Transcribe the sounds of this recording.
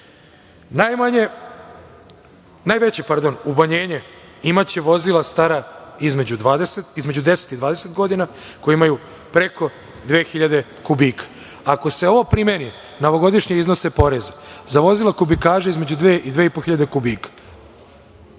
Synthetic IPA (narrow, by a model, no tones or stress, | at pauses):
najmaɲe | najʋet͡ɕepaɾd̪o̞nubaɲe̞ːɲe̞ | imat͡ɕeʋo̞zilˠast̪aɾaizme̞d͡ʑud̪ʋaːd̪eset̪izme̞d͡ʑud̪e̞set̪id̪ʋaːd̪ese̞t̪ɡo̞d̪inako̞jeimaju | pɾe̞kʰo̞ | d̪ʋe̞ːxiʎad̪e̞ | kubiːkḁ | ako̞se̞o̞ʋo̞pɾimeni | no̞ʋo̞ɡo̞d̪iʃɲeizno̞sepo̞ɾezazaʋo̞zilˠakubikaːʒeizme̞d͡ʑud̪ʋeːʔid̪ʋeipo̞xiʎad̪ekubiːkḁ